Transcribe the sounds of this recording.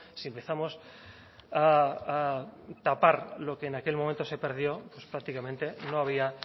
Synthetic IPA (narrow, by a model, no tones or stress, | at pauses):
siempe̞θamos | aat̪apaɾlo̞ke̞ːnakelmõment̪o̞se̞pe̞ɾð̞jo̞pwespɾak̚t̪ikamẽnt̪e̞noaβ̞ia